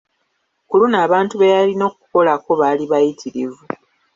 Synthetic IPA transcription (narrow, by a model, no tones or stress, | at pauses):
kulunaːβaːntuβejalino̞ːk̚u̥ko̞lako̞βaːliβajitʰiɾivu